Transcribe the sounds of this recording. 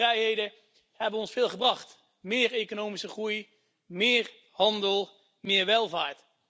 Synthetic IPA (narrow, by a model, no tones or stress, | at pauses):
rɛjɦejdə | hɛbəɔnsfɪːlˠχəbrɑχt | mɪːɹejkonowmisəχruj | mɪːr | hɑndəlˠ | mɪːɹʋɛlˠvaːɹt